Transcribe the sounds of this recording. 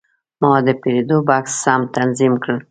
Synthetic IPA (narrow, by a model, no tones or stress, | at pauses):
mɑd̪əpeɾed̪obaksːamt̪anzimkɽəl